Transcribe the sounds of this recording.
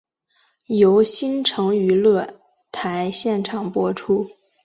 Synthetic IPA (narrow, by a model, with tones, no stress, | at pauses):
jo˧˥ʊɕi˥nʈ͡ʂʰɤ˧˥ŋy˧˥lɤ˥˩ | t̪ʰa˧˥ɪɕjɛ˥˩nʈ͡ʂʰɑ˨˩ŋpwɔ˥ʈ͡ʂʰu˥